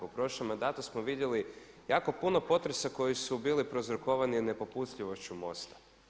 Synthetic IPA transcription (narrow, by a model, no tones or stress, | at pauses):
opɾo̞ʃlemːand̪at̪usmoʋid̪jeli | jaːko̞puno̞po̞t̪ɾe̞sako̞jisubiːlipɾozɾoko̞ʋanine̞po̞pusʎiʋo̞ʃt͡ɕumo̞̰st̪ḁ